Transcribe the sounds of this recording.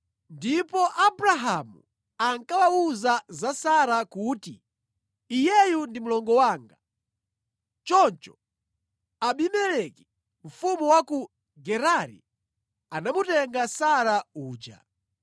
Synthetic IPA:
ndipɔʔabuɾaɦamu | aŋkawauzazasaɾakuːtḭː | jɛjundimulɔŋɡɔwaːŋɡa | t͡ʃɔnt͡ʃɔ̥ | aɓimɛlɛki | m̩fumuwaku | ɡɛɾaɾḭ | anamutɛŋɡasaɾauːd͡ʒa̰

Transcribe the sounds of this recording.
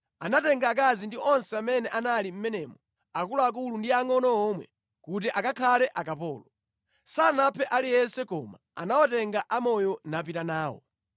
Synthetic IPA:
anatɛŋɡaːk̬azindiɔnsɛamɛnɛʔanalim̩mɛnɛːmɔ | akulɔak̬ulundiaŋɔnɔɔːmwɛ̰ | kut̬iʔakakʰalɛʔakapɔ̰ːlɔ | sanapʰɛʔalijɛnsɛkɔ̰ma | a̰nawɔtɛŋɡaʔamɔjɔnap̬itanaːwɔ̰

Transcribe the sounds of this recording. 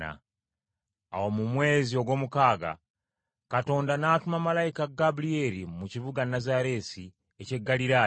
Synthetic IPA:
a̰ | a̰womumwe̞ːzio̞ɡwo̞ːmukaːɡa̰ | kato̞ːndanaːtumamalajikaɡablieɾimuciβuɡanazaɾe̞ːsi | ece̞ɡːaliɾaː

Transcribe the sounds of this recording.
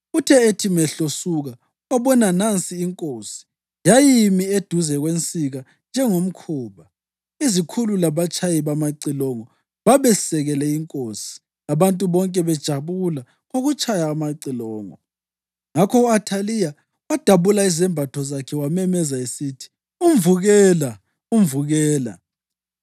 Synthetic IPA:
utʰɛetʰimɛɬosuɣa | uɣaβɔnanant͡sʼiːŋkʼoːsi̥ | jajimied̥ʱuzɛɣwent͡sʼiɣa | nd͡ʒʱɛŋom̩kʰuːβa | izikʰululaβat͡ʃʰʼajiβamaǀilɔŋɔ | βaβɛsɛɣɛlɛiŋkʼoːsi̥ | aβantʼuβɔŋkʼɛβɛd̥ʒ̥ʱaβula | ɣoɣut͡ʃʼajaːmaǀilɔːŋɔ̰ | ŋakʰɔuatʰalija | wad̥ʱaβulaizɛmbʱatʰɔzakʰɛwamɛmɛzaesitʰi̥ | um̩vuɣɛːla | um̩vuɣɛːla̰

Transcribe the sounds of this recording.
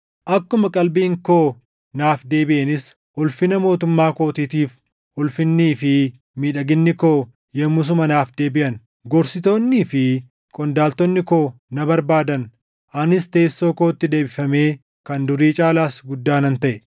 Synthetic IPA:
ʔɐkːʊmɐkʼɐlbiːŋko̞ː | naːfd̪e̞ːbɪʔɐnɪs | ʔʊlfɪnɐmo̞ːt̪ʊmːaːko̞ːt̪iːt̪iːf | ʊlfɪnːiːfɪ | miːᶑɐɡɪnːɪkoː | jɛmːʊs̬ʊmɐnaːfd̪e̞ːbɪʔɐn | ɡɔɾsɪt̪o̞ːnːiːfɪ | kʼɔnd̪aːlt̪ɔnːɪkoː | nɐbɐɾbaːd̪ɐn | ʔɐnɪst̪e̞ːsːo̞ːko̞ːt̪ːɪd̪e̞ːbɪfɐme̞ː | kɐnd̪ʊɾiːt͡ʃʼaːlaːsɡʊd̪ːaːnɐnt̪ɐʔɛ

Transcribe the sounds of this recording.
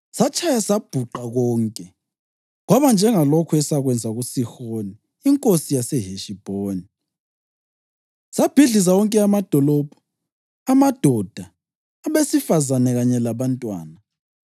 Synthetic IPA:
sat͡ʃʰʼajasab̥ʱuǃaɣɔːŋkʼɛ | ɣwaβand͡ʒʱɛŋalɔkʰuɛsaɣwɛnd͡zʱaɣusixoniː | ŋkʼosijasɛɦeʃib̥ʱoːni | sab̥ʱiɮis̬awɔŋkʼɛamad̥ʱɔlɔb̥ʱɔ̥ | amad̥ʱɔd̥ʱaː | βesifazanɛɣaɲɛlaβantʼwa̰ːna

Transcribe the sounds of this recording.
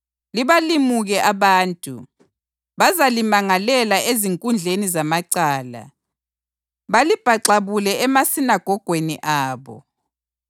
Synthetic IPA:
liβalimuɣɛʔaβaːntʼṵ | βazalimaŋalɛlaʔeziŋkʼund͡ɮʱenizamaǀaːla̰ | βalib̥ʱaǀaβulɛɛmasinaɡ̥ʱɔɡ̥ʱweniʔaːβɔ̰

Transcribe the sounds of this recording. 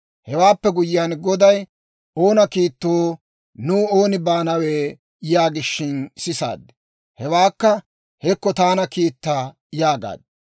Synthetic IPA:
hɛwaːpːɛɡʊjjaːnɡɔd̪ɐj | o̞ːnɐkiːt̪ːoː | nuːoːnɪbaːnɐweː | jaːɡɪʃːɪnsɪsa̰ːd̪ːɛ̥ | hɛwaːkːɐ | hɛkːɔt̪aːnɐkiːt̪ːaː | jaːɡa̰ːd̪

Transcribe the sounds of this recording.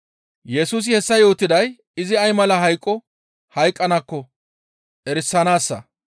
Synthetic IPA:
jɛsuːs̬ɪhɛsːɐjo̞ːt̪ːɪd̪ɐj | ɪzɪɐjmɐlɐɦɐjkʼːɔ | hɐjkʼːɐnɐkːɔ | ʔɛɾɪsːɐnaːsːɐ

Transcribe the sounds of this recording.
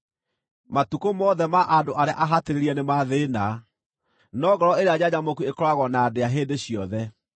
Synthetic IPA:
matukomɔðɛmaʔandoʔaɾea̰ʔaɦateɾeɾiɛnemaðeːna | nɔɣɔɾɔeɾead͡ʑaɲamokuekɔɾaɣɔnadeaɦeːdeɕijɔðɛ

